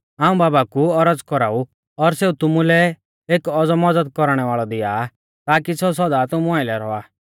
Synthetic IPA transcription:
aːũbaːbakuɔɾəd͡zkɔɾaːu | ɔɾseːut̪ʊmulɛ | eːkɔd͡zɔmɔd͡zəd̪̚kɔɾɽ̃ɛʋaːɭɔd̪ɪjaː | t̪aːkisɔs̬ɔd̪at̪ʊmũaːɪlɛɾɔaː

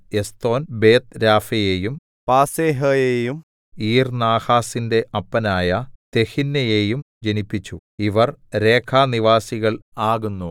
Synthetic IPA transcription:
e̞st̪o̞ːnbeːt̪ɾaːfɐjeːjum | paːseːɦɐjejum | iːrnaːhaːsinde̞ʔɐpːɐnaːjɐt̪e̞hinːɐjeːjum | d͡ʑenipːit͡ɕːu | iʋɐrɾe̞ːkʰaːniʋaːsiɣɐɭaːɣunːu

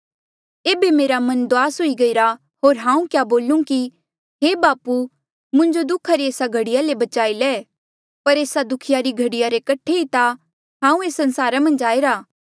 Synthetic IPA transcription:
eːbemeːɾamɐ̃nd̪oaːsɦoiɡɐiɾa | ɦoːɾɦãːũkjaboːlũki | ɦeːbaːpu | mʊ̃ɲd͡ʒod̪ʊkʰaɾieːsaɡʱɐɽɪjalebɐt͡ʃaːilɛː | pɐɾeːsad̪ʊkʰɪjaɾiɡʱɐɽɪjaɾekɐʈʰeit̪a | ɦãːũeːsɐ̃nsaːɾamɐ̃nd͡ʒaːeɾaː

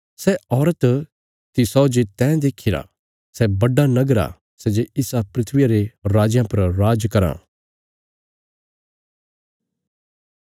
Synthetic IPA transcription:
sɛɔːɾət̪ | t̪isɔːd͡ʒet̪ɛ̃ːd̪eːkʰɪɾa̰ | sɛbɐɖanɐɡɾa̰ | sɛd͡ʒeɪsapɾɪt̪ʰʋɪjaɾeɾaːd͡ʒjãpɐɾɾaːd͡ʒkɐɾã̰ː

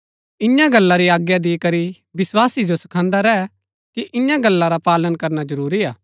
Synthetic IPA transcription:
ɪjãɡɐlːaɾiaːɡjad̪ikɐɾi | bɪswaːsid͡ʒosɐ̥kʰãːnd̪aɾɛ | kiʔɪjãɡɐlːaɾapaːlənkɐɾnad͡ʒɐɾuːɾiaː

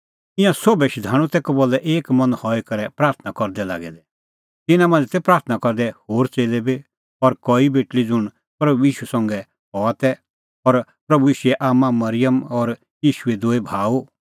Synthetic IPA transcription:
ɪ̃jãsobɛʃid̪ʱaːɽ̃ũt̪ɛːkɔbolɛʔeːkmɐ̃nhɔikɐɾɛpɾaːɾt̪ʰnakɔɾd̪ɛla̰ːɡɛd̪ɛ | t̪ɪnãmãːnd͡zɛt̪ɛpɾaːɾt̪ʰnakɔɾd̪ɛhoːɾt͡seːlɛbi | ɔɾkɔibeːʈlid͡zʊɽ̃ | pɾɐbuiːʃusɐ̃ŋɡɛ | ɦɔat̪ɛ | ɔɾpɾɐbuiːʃuɛʔaːmãmɐɾɪjəmɔɾ | jiːʃuɛd̪oːebʱaːu

